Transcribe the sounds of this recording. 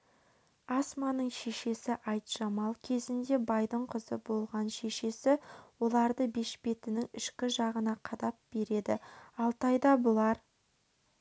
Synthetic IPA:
ɑsmɑnəɴʃe̞ʃe̞sɪʔɑjt̪ʒ̥ɑmɑlˠkʲʰe̞zɪnd̪e̞bɑjd̪əɴqʰəzə̰bo̞lˠʁɑnʃe̞ʃe̞sɪwo̞lˠɑɾd̪əbe̞ʃbe̞t̪ɪnɪŋʏʃkʲɪʒɑʁənɑqʰɑd̪ɑp̚b̥e̞ɾe̞d̪ɪɑlˠt̪ɑjd̪ɑbʊlˠɑɾ

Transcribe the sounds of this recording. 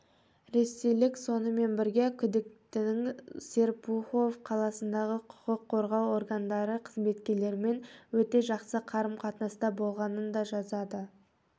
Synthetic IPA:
ɾe̞sejlɪkso̞nəme̞nbɪɾɡʲekʲʰʏd̪ɪk̚t̪ɪɪŋse̞rpuχo̞vqʰɑlˠɑsənd̪ɑʁəqʰʊ̥qəqʰːo̞ɾʁɑwo̞ɾɡand̪ɑɾəqʰəzme̞t̪kʲe̞ɾle̞ɾɪme̞nwɵt̪e̞ʒɑqsəqʰɑɾəmqʰɑt̪nɑst̪ɑbo̞lˠʁɑnənd̪ɑʒɑzɑd̪ə

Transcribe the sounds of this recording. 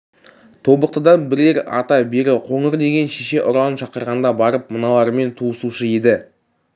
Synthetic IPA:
t̪ʰo̞bəq̚t̪əd̪ɑnbɪɾeɾɑ̰t̪ɑbe̞ɾɪqʰo̞ɴəɾd̪e̞ɡʲe̞nʃeʃe̞ʔʊɾɑnʃɑqəɾʁɑnd̪ɑbɑɾəp̚mənɑlˠɑɾme̞nt̪ʰuəsuʃəe̞d̪ɪ

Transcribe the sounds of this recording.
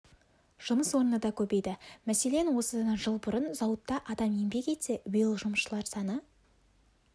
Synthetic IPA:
ʒ̥ʊməswo̞ɾənəd̪ɑkʲʰɵbe̞jd̪ɪmæse̞le̞nwo̞səd̪ɑnɑʒəlˠbʊɾənzɑwət̪ːɑʔɑd̪ɑmje̞mbe̞kʲe̞t̪sewijɪlˠʒʊməʃʃəlˠɑɾsɑnə

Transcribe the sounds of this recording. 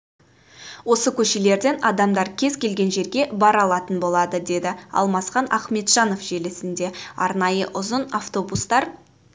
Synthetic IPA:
wo̞səkʲʰɵʃe̞le̞ɾd̪e̞nɑd̪ɑmd̪ɑɾkʲʰe̞zkʲʰe̞lɡʲe̞nʒe̞ɾɡʲe̞bɑɾɑlˠɑt̪ənbo̞lˠɑd̪əd̪e̞d̪ɪɑ̰lˠmɑsχɑnʔɑχme̞t̪ʒ̥ɑno̞fʒ̥e̞lɪsɪnd̪e̞ɑɾnɑjəʔʊzənaft̪o̞bust̪ɑɾ

